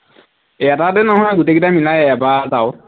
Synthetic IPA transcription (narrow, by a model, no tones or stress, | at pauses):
jatatɛnɔɦɔjɡutekitamilajɛbaɹtaʊ